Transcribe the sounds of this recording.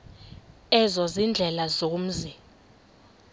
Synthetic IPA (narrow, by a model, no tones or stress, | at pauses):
ɛzɔzind͡ɮʱɛlazom̩zi